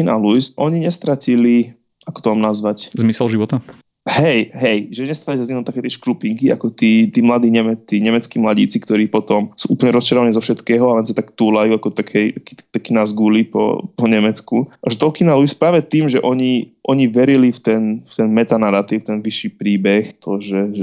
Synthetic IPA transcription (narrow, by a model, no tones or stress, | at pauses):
ina̰lujsʔɔɲiɲɛst̪ɾacili | ʔakɔ̥t̪ɔʋaːmnazʋaczmisɛlʒiʋɔt̪a | hɛjɦɛjʒɛɲɛst̪ɾalisazɲɛnɔt̪akɛjt̪ɛʃkɾupiŋkia̰kɔt̪iːt̪iːmlad̪iːɲɛmɛt͡s̪iɲɛmɛt͡skiːmlaɟḭːt͡sikt̪ɔɾiːpɔt̪ɔmsuːʔuːplɲɛɾɔst͡ʃaɾɔʋanizɔfʃɛt̪kɛːɦɔalɛnsat̪akt̪uːlajuːakɔt̪akʰɛjaki̥t̪ɛt̪akiːnazɡuːlipɔ̰pɔɲɛmɛt͡skuaʒɛt̪ɔlkinaluspɾaːʋɛt̪iːmʒɛʔɔɲiʔɔɲiʋɛɾilift̪ɛnft̪ɛnmɛt̪anaɾat̪iːʊt̪ɛnʋiʃipɾiːbɛxt̪ʰɔʒɛʒɛ